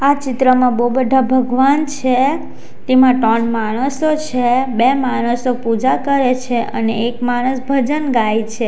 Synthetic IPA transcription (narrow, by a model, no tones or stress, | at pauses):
at͡ʃɪt̪ɾəmãboubəd̪ʱabʱəɡʋant͡ʃʰe | t̪emãʈɔnmaɽ̃əsot͡ʃʰebemaɽ̃əsopud͡ʒakəɾet͡ʃʰeəneːkmaɽ̃əsbʱəd͡ʒənɡajt͡ʃʰe